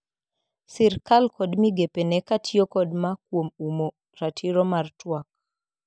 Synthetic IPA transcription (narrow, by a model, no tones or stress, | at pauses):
siɾkalkɔdmiɡepenɛkatʰiokɔdmakwomumo | ɾatʰiɾɔmartwak̚